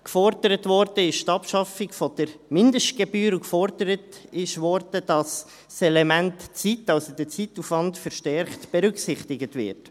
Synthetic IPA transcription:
kfɔɾd̥əɾətvɔɾd̥əɪʃtɑpʃɑfɪkfɔd̥əɾmɪndəʃt̚ɡ̥ɛbyːɾukfɔɾdəɾətɪʃʋɔɾd̥əd̥ɑs | sɛlɛmæntt͡sitɑlsod̪ət͡situfʋɑntfəɾʃtɛɾχtb̥ɛɾʏksɪχtɪɡətvɪ̰ɾt

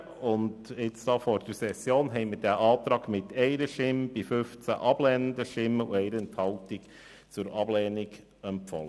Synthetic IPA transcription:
ʊndɪt͡sd̥ɑːfɔɾd̥əɾsɛsjoːnɦɛɪmɪɾdæʔɑːt̪ɾɑːɡmɪt̪ʰɛɪɾəʃɪmb̥ifʏft͡sæ̰ʔɑb̥lɛːnənd̪əʃtɪmːəṵɛɪɾəɛnthɑltɪk | t͡sʊɾɑblɛːniɡ | ɛmpfɔ̰lə

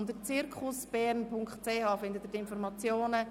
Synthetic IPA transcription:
ndət͡sɪɾkʰχʊsb̥ɛːɾnpʰʊŋkχtt͡seːhɑːfɪnd̪ət̪ətɪnfɔɾmɑt͡sjoːnə

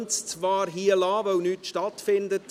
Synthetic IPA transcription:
nt͡st͡svɑːɾɦiːəlɑːvœwnyːtʃtɑtfɪndət

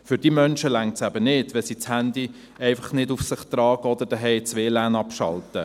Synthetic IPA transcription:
fʏɾd̥iːmœnʃəlæŋtsæbənɪd̥ʋɛlsit͡shændi | ɛɪfɑχnɪdufsɪχt̪ɾɑːɡəɔd̪əɾd̥ɛɦɛɪt͡sʋeːlæːnɑpʃɑ̰ltə

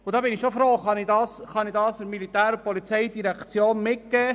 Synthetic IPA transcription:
ʊd̪ɑːbɪnɪʃofɾoːχɑnidɑːsχɑnidɑːsəmilitæːɾəpɔlit͡sɛɪdiɾɛkt͡sjoːnmɪt̚ɡ̥ɛː

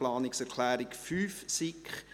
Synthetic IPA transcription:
lɑːnɪksɛɾkʰlæːɾɪkfyːfsɪkχ

